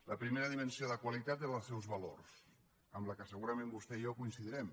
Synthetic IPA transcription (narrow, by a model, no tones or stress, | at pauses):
ləpɾimeɾəðimənsioðəkwalit̪at̪eəlˠsɛwzβalo̰rs | əmləkəsəɣuɾəmẽmbust̪ɛiokuinsiðəɾɛm